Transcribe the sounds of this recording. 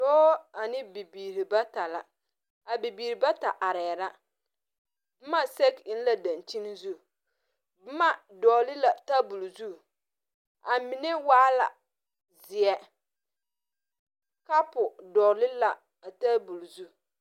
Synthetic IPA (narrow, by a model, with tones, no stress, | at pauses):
dɔː˦a˨nɪ˦bi˨biː˨ɾi˨ba˦ta˨la̰˨ | a˨bi˨biː˨ɾi˨ba˦ta˨ʔa˨ɾɛː˨ɾa˦ | ma˦se˦kɪ˦n˦la˨da˨nt͡ʃi˦n˦zu˦˨˦ | ma˦dɔː˨lɪ˦la˨ta˦bu˨lzu˦˨ | a˨mɪ˨nɪ˦waː˦la̰˨ | zɪ˨ɛ˦ | ka˦pʊ˨dɔ˨lɪ˦la˨ | a˨ta˦bu˨lzu˦˨